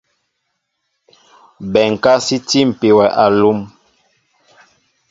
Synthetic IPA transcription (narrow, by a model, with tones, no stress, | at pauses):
bɛ˨ŋ˨ka˦si˦ti˦m̩˨pe˨wɛ˨ʔa˨lu˦m